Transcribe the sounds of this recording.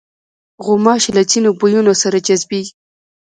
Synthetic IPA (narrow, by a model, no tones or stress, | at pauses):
ɣʊmɑʃlat͡sinobujunosaɾad͡ʒazbi